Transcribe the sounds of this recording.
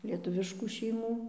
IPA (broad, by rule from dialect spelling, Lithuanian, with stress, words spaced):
lʲiɛˈtʊʋʲɪʃkuː ʃʲɛɪˈmuː